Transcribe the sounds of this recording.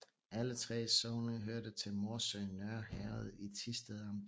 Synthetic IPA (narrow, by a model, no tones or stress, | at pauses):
ʔælət͡sʰʁɛ̰ːsɔʊnəɦøɐ̰d̥ət͡sʰe̝lmɒːsøːnɶɐhæːð̞ˠit͡sʰisd̥eðˠɒm